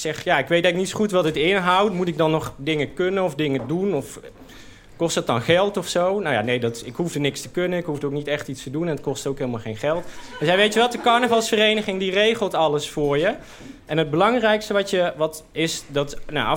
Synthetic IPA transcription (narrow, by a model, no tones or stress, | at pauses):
sɛχjaɪkʋejdaɪk̚nitsχutʋɔtdətɪnɦawtmutɪk̚dɑnːɔχdɪŋəkønənɔfdɪŋədunɔf | kɔstət̚ɑnχɛlˠtɔfsownawja̰nejdɔtɪkɦuvdənɪkstəkønənɪkɦuvdəowk̚nitɛχtitstədunɛnət̚kɔstowkɦelˠmalˠχejnχɛlˠtd̥əsɛjʋejtəʋɛlˠtdəkɑɹnəvɑlˠsfərejnəχɪŋdirejχəlˠtɑləsfʊːɹjə | ʔɛnɦəd̚bəlɑŋrɛjkstəʋɑtjəʋɑtɪsdɑtna